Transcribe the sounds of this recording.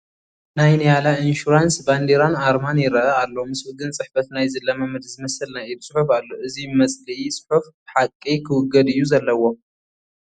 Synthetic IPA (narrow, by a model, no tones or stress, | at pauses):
najnjalainʃuɾansband̪iɾanaɾmanjɪɾɐʔɐalːo̞mɨswɨɡɨnt͡sʼɨħfɐt̪najzɨlːɐmɐmɨd̪zɨmɐsɨlnaʔibsʼɨħufalːoʔɨzimɐt͡sʼliisʼɨ̥ħufbɨħakʼːikʰɨwʊɡːɐd̪ɨjːuzɐlːɐwo